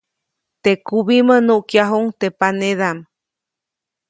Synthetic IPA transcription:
t̪ekuβimənuʔkjaɦuŋt̪epaneðam

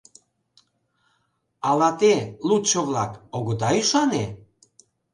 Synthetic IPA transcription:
ɑlɑt̪elut̪t͡ʃoβlɑkoɣə̆d̪ɑyʃɑne

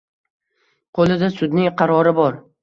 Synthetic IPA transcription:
qʰolˠɪd̪asʊd̪nɪŋqʰɑɾɒɾɪbɒɾ

